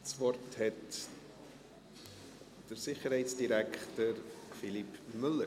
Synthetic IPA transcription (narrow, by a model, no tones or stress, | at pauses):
t͡svɔrthɛt | d̥əɾsɪχəɾhɛɪtsd̥iɾækχtəɾfilipmʏlə